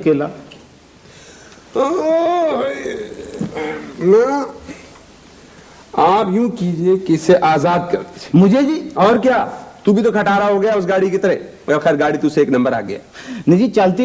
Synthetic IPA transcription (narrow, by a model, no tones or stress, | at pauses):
keːlaː | na | aːpjũːkiːd͡ʒiekiseʔaːzaːd̪̚kɐɾt̪it͡ʃmʊd͡ʒʱed͡ʒiːɔːɾkjaːt̪ubʱit̪̬okʰɐʈaːɾaɦoɡɐjaʊsɡaːɽikit̪ɐɾɛ | xɛːɾɡaːɽit̪ʊseːknɐ̃mbəɾa̰ːɡɐja̰ːnid͡ʒiːt͡ʃɐlt̪i